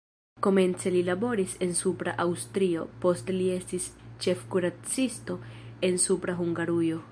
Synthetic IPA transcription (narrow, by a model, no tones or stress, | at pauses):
ko̞me̞nt͡se̞lilabo̞ɾise̞nsupɾa̰ʔawstɾio̞̰po̞stlie̞stist͡ʃe̞fkuɾat͡sisto̞e̞nsupɾaɦuŋɡaɾujo̞